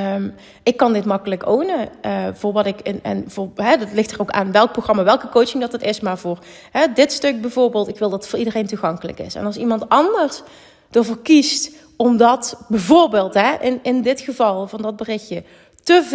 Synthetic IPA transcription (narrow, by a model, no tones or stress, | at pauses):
m | ʔɪkːɑndɪtmɑkələkownəʔvʊːɹʋɑtɪkɪnɛ̰nvʊːɹɦɛdtlɪxtərowka̰ːnʋɛlˠk̚proxrɑmaːʋɛlˠkəkowt͡ʃɪŋdɑtətɪsmaːɹvʊːɹ | ɦɛdɪtstɵk̚bɛjvʊːɹbeːlˠtɪkʋɪlˠdɑtə̥tfʊːɹʔidərejntuɣɑŋkələ̰kɪ̰sɛ̰nɑlˠsimɑntɑndəɹs | d̥əɹvəɹkist | ɔmdɑtbɛjvoːɹbeːlˠtɦɛʔɪnɪndɪtχəvɑlˠvɑndɑd̚bərɪxjə | təv